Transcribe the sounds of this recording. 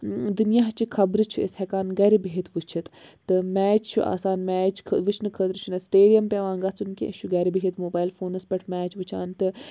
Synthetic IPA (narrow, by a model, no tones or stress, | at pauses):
d̪unijaɦt͡ʃikʰɐbɾɨt͡ʃʰuḛshɛkaːnɡɐɾibiɦit̪ʋɨt͡ʃʰit̪t̪ːɨmɛːt͡ʃt͡ʃʰuʔa̰ːsaːnmɛːt͡ʃkʰʋɨt͡ʃʰnɨkʰət̪ɾɨt͡ʃʰunɐsʈeːɖijɐmpʲeʋãːŋɡɐt͡sunkḭʃʰuɡɐɾibiɦit̪moːbaːjlfoːnɐspʲɐʈʰmɛːt͡ʃʋɨt͡ʃʰaːnt̪ɨ